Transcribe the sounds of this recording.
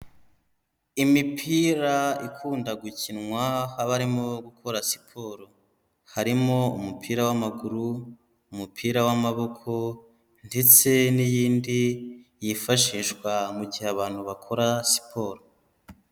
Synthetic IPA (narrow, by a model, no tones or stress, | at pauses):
imipʰiːɾaikʰuːndaɡucinŋwahaβaɾimo̞ɡukʰo̞ɾasi̥pʰo̞ɾo | haɾimo̞umupʰiːɾawamaɡuɾuː | mupʰiːɾawamaβo̞kʰo̞ | nde̞t͡se̞nijiːndijifaʃiːʃɡwamuɟiheaβaːn̥huβakʰo̞ɾasi̥pʰo̞ɾo